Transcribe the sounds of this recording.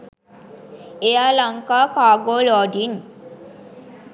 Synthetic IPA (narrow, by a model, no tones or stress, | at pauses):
ejalaŋkaːkaːɡoːlɔːɖin